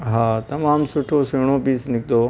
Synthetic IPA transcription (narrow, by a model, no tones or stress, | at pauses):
ɦaːt̪ɐmaːmsʊʈʰosiːɽ̃opiːsnɪkd̪oː